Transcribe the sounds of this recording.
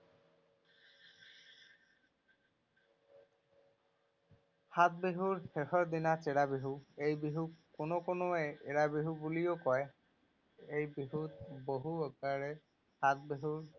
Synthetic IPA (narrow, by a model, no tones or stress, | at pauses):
hat̪̚beɦuɹxexɔɹdinat͡ʃeɹabiɦuejbiɦukkːʊnokonoɛeɹabiɦubulijokɔj | ejbiɦut̚boɦuɔkaɹɛ | hat̚beɦuɹ